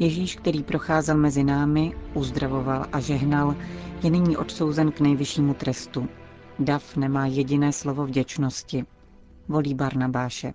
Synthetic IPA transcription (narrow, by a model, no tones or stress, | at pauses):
jɛʒiːʃkt̪ɛɾiːpɾo̞xaːzɛlmɛzɪnaːmɪʔuzd̪ɾavo̞valʔaʒɛɦnaljɛnɪɲiːʔo̞t̪so̞wzɛnknɛjvɪʃiːmut̪ɾɛst̪u | dafnɛmaːjɛɟɪnɛːslo̞vo̞vɟɛt͡ʃno̞scɪ | vo̞liːbaɾnabaːʃɛ̰